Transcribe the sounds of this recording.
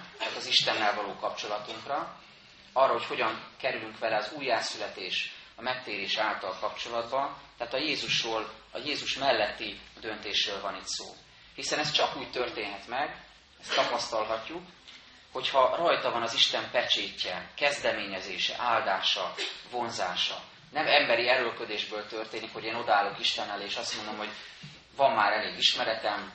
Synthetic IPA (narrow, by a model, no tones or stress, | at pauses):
t̪aːt̪ɒziʃt̪ɛnːɛlvɒloːkɒp̚t͡ʃo̞lɒt̪uŋkrɒ | ɒrːɒɦo̞cho̞ɟɒŋkɛɾylyŋkʋɛlɛɒzuːjːaːsylɛt̪eːʃɒmɛk̚t̪eːɾeːʃɛaːlt̪ɒlkɒp̚t͡ʃo̞lɒd̪bɒnt̪ɛaːt̪ɒjeːzuʃoːl | ɒjeːzuʃmɛlːɛt̪ːid̪ø̞nt̪eːʃrøːlvɒnit̪so̰ː | hisɛnɛst͡ʃɒkuːct̪ø̞rt̪eːnɦɛt̪mɛɡ | ɛst̪ɒpɒst̪ɒlɦɒcːuk | ho̞chɒrɒjt̪ɒvɒnɒziʃt̪ɛmpɛt͡ʃeːcːɛkɛzd̪ɛmeːɲɛzeːʃɛ̰ʔaːld̪aːʃɒvo̞nzaːʃɒ̰ | nɛmɛmbɛɾiɛɾølkø̞d̪eːʒbøːlt̪ø̞rt̪eːnikho̞ɟeːno̞d̪ɒaːlːo̞kiʃt̪ɛnːɛleːʃɒst̪mond̪o̞mɦo̞ɟ | vɒmːaːɾɛleːɡiʃmɛɾɛt̪ɛm